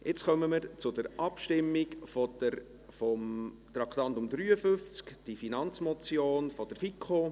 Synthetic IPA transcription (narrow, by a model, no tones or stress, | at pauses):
ʔɪt͡sχœməməɾt͡sʊdəɾʔɑpʃtɪmːikfodəɾ | fɔm | t̪ɾɑkʰt̪ɑnt̪ʊmd̪ɾyːəfʏft͡skd̥ifinɑnt͡smɔt͡sjoːnfɔd̥əɾfikχo